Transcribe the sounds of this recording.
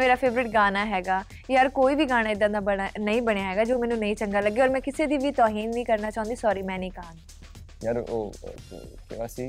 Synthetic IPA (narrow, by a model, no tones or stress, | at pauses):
meːɾaːpʰeːʋɾɪʈɡaːnaːɦɛːɡaː | jaːɾkoːiːʋiːɡaːñaːɪd̪ãːd̪aːbəanəĩːbəɽ̃ejaːɦɛːɡaːd͡ʒoːmɛːnũːnəĩːt͡ʃəŋɡaːləɡːeːɔːɾmɛ̃ːkɪseːd̪iːʋiːt̪ɔːɦiːnːĩːkəɾnaːt͡ʃaːʊ̃nd̪iːsɔːɾiːmɛ̃ːnĩːkəãːn | jaɾo̰ː | kḛʋaːsiː